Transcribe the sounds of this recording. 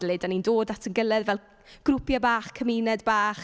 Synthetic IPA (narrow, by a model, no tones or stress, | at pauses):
lˠedanindoːdatʰənɡəlˠɛdvɛlˠ | ɡ̥rʊpʰjabaːχkʰəmiːnɛdbaːχ